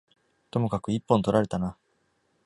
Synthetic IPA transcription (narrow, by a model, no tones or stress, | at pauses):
t̪o̞mo̞kakɯ̟ipːõnt̪o̞ɾaɾe̞t̪ana